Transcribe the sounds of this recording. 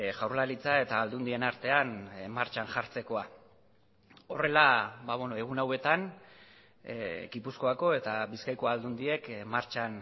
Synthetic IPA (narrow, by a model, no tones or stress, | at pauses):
ʝawɾlaɾit͡sae̞t̪aːld̪und̪ie̞naɾt̪e̞anmaɾt͡ʃanʝaɾt͡se̞ko̞a | o̞re̞labaβenoe̞ɣ̞unawe̞t̪an | ɡipusko̞ako̞e̞t̪abiskajko̞ald̪und̪ie̞kmaɾt͡ʃan